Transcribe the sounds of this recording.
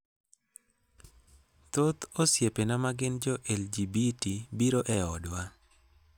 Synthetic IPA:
t̪ot̪osjepenamaɡɪnd͡ʒɔʔɛld͡ʒibitibiɾoʔɛɔdwa

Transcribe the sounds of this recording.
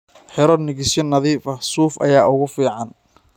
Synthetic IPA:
ħɪɾɔnɪɣɪsjɔnːɐðiːfɐhsuːfʔɐ̰jaːʔʊɣʊfiːʕɑn

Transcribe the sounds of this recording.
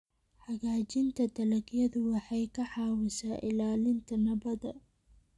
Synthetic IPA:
ħɑɣaːt͡ʃɪnt̪ʰɐd̪ɐlɐɡjɐðʊwɑħɑjkʰɐħɑːwɪsaːʔɪlaːlɪnt̪ʰɐnɐβɐðɐ

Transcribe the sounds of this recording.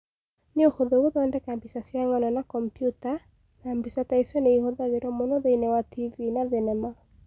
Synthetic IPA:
nɪohoðowoðɔɛndɛkambisasiaŋɔnɔnakɔmpjuta | nambisataisɔneihoðaɡeɾɔmonoðeinɛwativinaðɪnɛma

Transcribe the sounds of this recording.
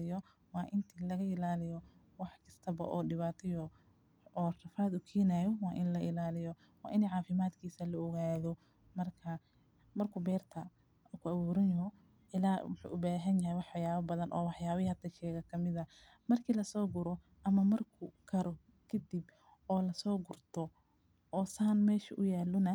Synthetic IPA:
ɪjɔ | wɑːʔɪnt̪ʰiːlɐɣɐɪlaːlɪjɔ | wɑħkʰɐst̪ʰɐbɐ̰ʔɔːɖɪβaːt̪ʰɪjɔ | ɔːrɐfaːd̪ʊkʰɛːnɐjɔwɑːʔɪnlɐʔɪlaːlɪjɔ | wɑ̰ːʔɪnɛʕɑːfɪmaːd̪kʰiːsɐlɐɔɣaːðɔ | mɐrkʰɐ | mɐrkʰʊbɛːrt̪ʰɐ | kʰʊʔawuːɾɪnjɦɔ | ɪlaːwʊħṵːʔʊbaːɦɐnjɐɦɛjwɑħjaːβɐbɐðɐnʔɔ̰ːwɑħjaːβɪhɐt̪ʰɐʃɛːɣɐkʰɐmɪðɐ | mɐrkʰiːlɐsɔːɡʊɾɔ | ʔɐmɐmɐrkʰʊkʰɐɾɔ | kʰɐd̪ib | ɔːlɐsɔːɡʊrt̪ʰɔ | ɔːsaːnmɛːʃɐʔʊjaːlːɔnɐ

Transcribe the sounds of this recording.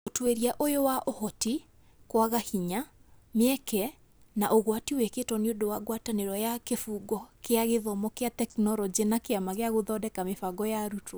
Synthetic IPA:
otweɾiaʔojowaʔohɔti | kwaɣahiɲa | mɛkɛ | naʔoɣwatiweketɔneodowaɣwataneɾɔjakefuɡɔkeaɣeðɔmɔkeatɛknɔɾɔd͡ʒenakeamaɣeaɣoðɔdɛkamefaɡɔjaɾutʰo

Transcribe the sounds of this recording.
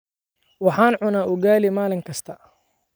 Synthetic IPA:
wɑħaːnʕʊnaːʔʊɡaːlimaːlɪŋkʰɐst̪ʰɐ

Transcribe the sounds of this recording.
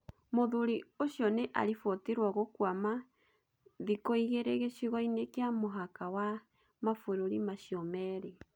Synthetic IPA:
moðuɾioɕjɔneʔa̰ɾifɔteɾwaɣokwama | ðikoiɣeɾeɣeʃiɣɔinekeamoɦakawa | mafoɾoɾimaʃjɔmɛɾe

